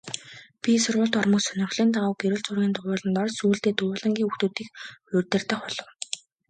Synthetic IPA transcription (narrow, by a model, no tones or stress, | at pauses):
pʲisʊrʁʊ̆ɮt̪ɔrmʊ̆ːksœnɪ̆χɮiːnt̪aʁʊːɡeɾɘ̆ɮt͡sʊrɣʲiːnt̪ʊwʊːɮə̆nt̪ɔrsuːɮt̪eːt̪ʊʊːɮə̆ŋɡʲiːŋuxt̪uːt̪iːkʊrʲt̪ɘ̆r̥t̪ə̆χʊɮɞ̆w